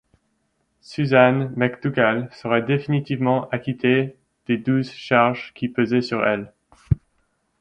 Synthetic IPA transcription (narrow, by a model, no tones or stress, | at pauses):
syzanmakd̪uɡalsəʁɛd̪efinit̪ivmɑ̃ʔakʲit̪ʰe | d̪̥ed̪uzʃaʁʒkʲipøzɛsyʁɛ̰l